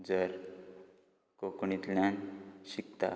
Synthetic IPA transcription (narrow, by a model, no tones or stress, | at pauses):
d͡zəɾ | kokɳit̪lanɕik̚t̪a̰